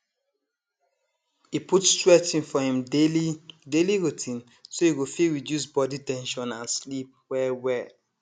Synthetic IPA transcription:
iputstɹɛt͡ʃĩnfɔhĩmlideliɹutʰĩn | soiɡofiɹidjus̬bɔditɛ̃nʃɔ̃nãnslip̚wɛwɛ

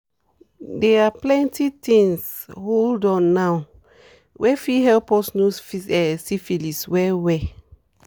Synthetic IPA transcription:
dɛaplɛ̃ntitĩŋs | holdɔ̃nːaw | wʔɛfiɦɛlpɔsnusfisɛsifiliswɛwɛ

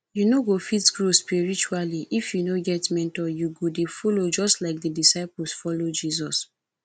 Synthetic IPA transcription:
junoɡofitsɡɹuspiɹit͡ʃualiʔifjunoɡɛtmɛ̃ntɔjuɡodefolod͡ʒɔstlaɪk̚dədisaɪpul̩sfɔlod͡ʒizɔs

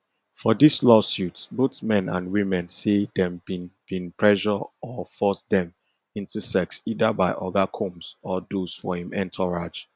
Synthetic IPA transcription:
fɔdislɔsjutsboθmɛ̃nã̰nwimɛ̃nsedɛ̃mbĩnb̥ĩnpʰɹɛʒɔɔfɔsdɛ̃m | ĩntusɛksidabaɪʔɔɡakʰõmsɔdosfɔhĩmɛ̃ntʰɔɹad͡ʒ

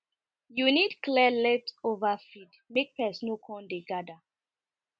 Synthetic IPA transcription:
junidklɛlɛtovafid | mek̚pɛsnokʰɔ̃ndeɡada

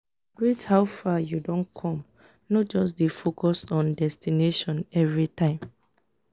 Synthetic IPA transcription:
ɡɹethaʊfajudõnkʰɔ̃m | nɔt̚d͡ʒɔsdefokɔsɔ̃ndɛstineʃɔ̃nɛvɹitʰãɪ̃m

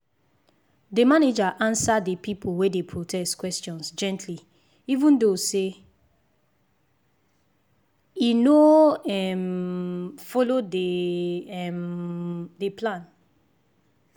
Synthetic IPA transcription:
demaned͡ʒaʔãnsadepipʰolwedepʰɹotʰɛstkwɛstɔ̃nsd͡ʒɛ̃ntʰli | ivũndose | inoɛm | fɔlodeɛm | deplãn

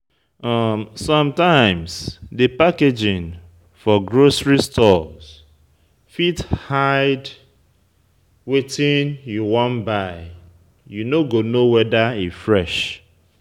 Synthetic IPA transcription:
amsɔ̃mtãɪ̃msdɨpaked͡ʒĩn | fɔɡɹosɹistʰɔz̥ | fithaɪd | wetĩnjuwɔ̃nbaɪ | junoɡonowɛdaifɹɛʃ

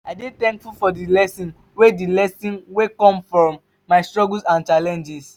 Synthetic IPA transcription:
adetɛ̃ŋkfulfɔdilɛsĩn | wedilɛsĩnwekɔ̃mfɹɔ̃mː | aɪstɹɔɡlsãnt͡ʃalɛ̃nd͡ʒis

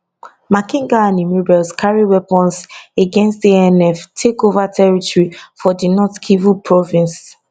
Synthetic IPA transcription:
makĩŋɡaãnimubɛlskʰaɹiwɛpɔ̃nseɡɛ̃nstdiɛnɛftʰekovatʰɛɹitɔɹifɔdinɔtkʰivupʰɹɔvĩns

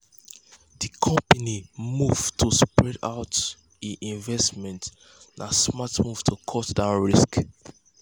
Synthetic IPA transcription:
ðikʰɔ̃mpanimuv̥tʰuspɹɛda̰ʊt | iʔĩɱvɛstmɛ̃nt | nasmatmuv̥tʰukʰɔtdãʊ̃nɹisk

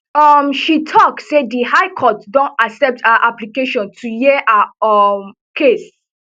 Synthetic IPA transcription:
ʌmʃitʰɔktsedihaɪkʰɔtdɔ̃ntasɛp̚tʰaaʔaplikeʃɔ̃ntʰujeʔaɔm | kʰes

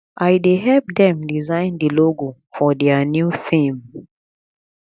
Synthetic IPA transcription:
ʔajdeɦɛlp̚dɛ̃mdizãɪ̃ndiloɡo | fɔdɛanjuθĩm

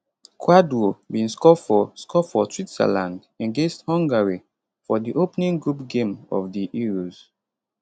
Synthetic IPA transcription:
kʰwadwobĩnskɔfɔskʰɔfɔtʰwitsɛ̰lãnd | ɛ̃nɡẽsthɔ̃ŋɡaɹi | fɔdiʔopnĩŋɡɹupɡẽmɔ̰vdiʔiɹoz

